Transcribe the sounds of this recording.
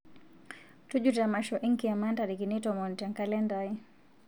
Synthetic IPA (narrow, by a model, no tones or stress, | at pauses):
tuʄutamaʃɔʔiŋkiamantaɗikinitɔmɔntɛŋkalɛndai